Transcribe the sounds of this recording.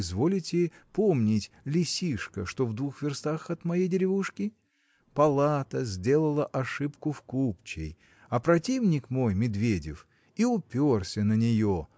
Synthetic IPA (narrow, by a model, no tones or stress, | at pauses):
zvo̞lʲɪtʲɪpomnʲɪtʲ | lʲɪsʲiʂkəʂt̪o̞vd̪vuxvʲɪrst̪axɐt̪mɐjejdʲɪɾʲɪvuʂkʲɪ | pɐlˠat̪əzʲdʲe̞lˠəlˠəʔɐʂɨpkʊfkupt͡ɕɪ̰j | ɐpɾɐtʲivnʲɪkmo̞jmʲɪd̪vʲedʲɪ̰f | iʊpʲorsʲənənʲɪjo